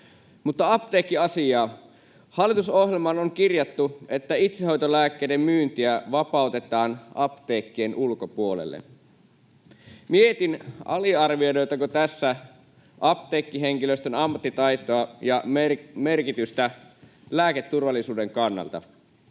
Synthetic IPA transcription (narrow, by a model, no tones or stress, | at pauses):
mut̪ːɑɑp̚t̪eːkːiɑsiɑː | hɑlːˑit̪uso̞hɦjelmɑnoŋkirjɑt̪ːuet̪ːæit̪seɦo̞jt̪olæːkːeːdemmyːnt̪iæʋɑpɑˑut̪e̞t̪ɑːnɑpt̪eːkːienʔulkopuolḛlːḛ | miet̪inɑ̰liɑrʋiojɾo̞jt̪ɑkot̪æsːæ | ʔɑpt̪eːkːiɦeŋkiløst̪ønɑmːɑt̪ːit̪ɑjt̪oɑjɑme̞rkit̪yst̪æ | læːket̪ːurʋɑlːˑisuːdeŋkɑnːɑ̰lt̪ɑ̰